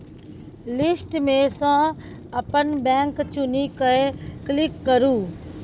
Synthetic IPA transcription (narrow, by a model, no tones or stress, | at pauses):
lɪsʈmẽsã | əpənbɛ̃ːŋkt͡ʃʊnikəeklɪkːəɾũː